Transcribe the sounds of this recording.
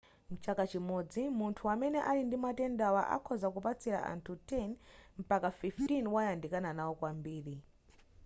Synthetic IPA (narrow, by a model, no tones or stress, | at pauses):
mut͡ʃakat͡ʃimɔd͡zimuntʰuwamɛnɛʔalindimatɛndawa̰ʔa̰kʰɔzakupat͡sʰiɾa̰ʔa̰ntʰutɛnm̩pakafiftinwajandikananawɔkwambiːɾi